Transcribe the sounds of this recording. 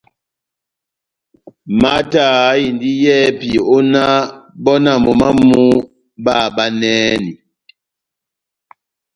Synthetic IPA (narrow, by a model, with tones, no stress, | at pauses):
ma˦ta˦˨˦i˨ndi˦jɛ˦pi˨o˦na˦bɔ˦na˦˨mɔ˨ma˦mu˦ | ba˦˨ba˦nɛː˦ni˨